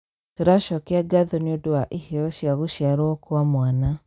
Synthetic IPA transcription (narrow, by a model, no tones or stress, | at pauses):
toɾaʃɔkɛaɡaðoneodoaʔiheɔʃjaɣoʃjaɾɔɔkwamwana